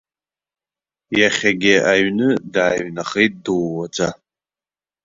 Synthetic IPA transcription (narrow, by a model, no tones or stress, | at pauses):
jaχʲaɡʲɪaɥnɨdaːɥnaχejt̚ʼduwːat͡sʼa